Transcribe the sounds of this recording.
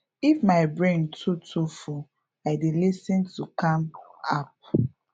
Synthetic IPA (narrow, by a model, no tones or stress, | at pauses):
ifmaɪbɹẽntʰutʰufu | aɪdilisĩntukãmap̚